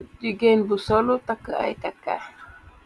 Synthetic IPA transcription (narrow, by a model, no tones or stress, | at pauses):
d͡ʒiɡenbusɔlut̪akəa̰jt̪aka̰